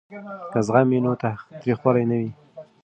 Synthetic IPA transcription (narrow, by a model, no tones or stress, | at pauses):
kazɣaminot̪at̪ɾixwɑlajnawi